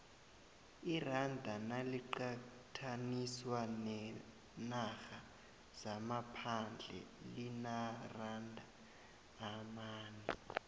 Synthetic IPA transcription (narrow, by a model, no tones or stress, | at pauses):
irandʱanaliǃa | tʰaniswanɛ | naxa | z̥amapʰand͡ɮʱɛ̰linarandʱaː | maːnɛ